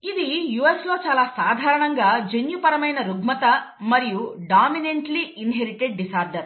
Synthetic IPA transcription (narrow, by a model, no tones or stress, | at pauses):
id̪ijuːeslo̞ːt͡ʃaːlaːsaːd̪ʱaːɾɐɳɐŋɡaːd͡ʒenjupɐɾɐmɐjnɐɾuɡmɐt̪ɐmɐɾijuɖaːmineɳʈliinɦeɾiʈeɖ̚ːisaːɾɖɐɾ